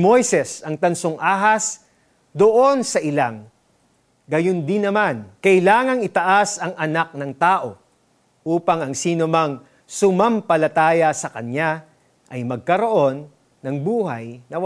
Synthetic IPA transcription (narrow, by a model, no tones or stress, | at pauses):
mojsɛsɐŋt̪ɐnsoŋʔaːɦɐs | d̪oʔo̞nsɐʔɪlaŋ | ɡɐjond̪ɪnːɐmankɐʔɪlaːŋɐŋɪt̪ɐʔasɐŋʔɐnak̚nɐŋt̪aːʔo̞ | ʔuːpɐŋɐŋsiːnomɐŋ | sʊmɐmpɐlɐt̪aːjɐsɐkɐɲa | ʔɐjmɐɡ̚kɐɾo̞ʔo̞nː | ɐŋbuːɦɐjnɐw